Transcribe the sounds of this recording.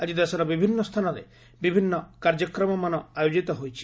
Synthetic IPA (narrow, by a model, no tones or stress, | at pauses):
ad͡ʒid̪asɔɾɔbibʱinːɔst̪ʰanɔɾḛ | bibʱinːɔkaɾd͡ʒɔkɾɔmɔmanɔajod͡ʒit̪ɔɦojt͡ʃʰi̥